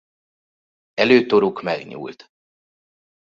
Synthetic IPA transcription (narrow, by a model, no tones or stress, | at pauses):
ɛløːt̪oɾukmɛɡɲṵːlt̪